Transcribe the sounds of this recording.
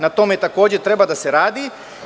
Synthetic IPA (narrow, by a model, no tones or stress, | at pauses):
nat̪o̞met̪ako̞ːd͡ʑet̪ɾe̞bad̪aseɾaːd̪i